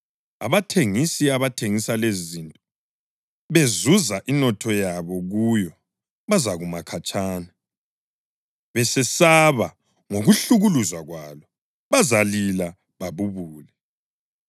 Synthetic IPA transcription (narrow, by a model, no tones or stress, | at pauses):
a̰βatʰeŋisiaβatʰeŋisalezzintʼɔ | βezuzaʔinɔtʰɔjaβɔɣujɔ | βazaɣumakʰat͡ʃʼaːna | βɛsɛsaβa | ŋoɣuɬuɣuluzwaɣwaːlɔ | βazalila | βaβuβuːlɛ